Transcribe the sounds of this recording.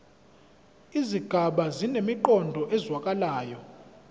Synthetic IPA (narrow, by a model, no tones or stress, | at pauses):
iziɡ̥ʱaɓazinemiǃɔndʱɔʔɛzwakʼalaːjɔ